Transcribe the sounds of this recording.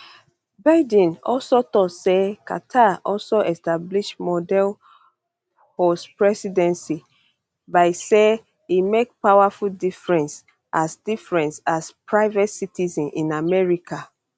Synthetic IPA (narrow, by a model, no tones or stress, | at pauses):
baɪdĩnɔ̰lsotɔtseka̰tʰaʔɔlsoʔɛstabliʃmɔdɛl | hospɹɛsidɛ̃nsi | baɪse | imek̚paʊwafuldifɹɛ̃ns | ʔasdifɹɛ̃nsaspɹaɪvɛtsitizɛ̃nʔĩnamɛɹikʰa